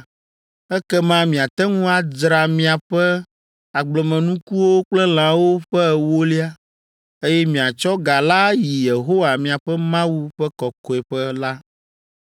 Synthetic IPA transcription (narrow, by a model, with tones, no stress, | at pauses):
ɛ˦kɛ˦mã˦mĩ˨a˨t̪ɛ˦ŋũ˦a˨dɾa˨mĩ˦a˨ɸɛ˦ | a˨ɡ͡blɔ˨mɛ̃˨nũ˦ku˦wo˦k͡plɛ˦l̃ã˨wo˦ɸɛ˦˨wo˦li˦a˦ | e˦jɛ˦mĩ˨a˨t͡ʃɔ˦ɡa˨la˦ji˨je˨ɦo˦wa˨mĩ˨a˨ɸɛ˦mã˦wu˦ɸɛ˦kɔ˨kɔ˨ɛ˨ɸɛ˦la˦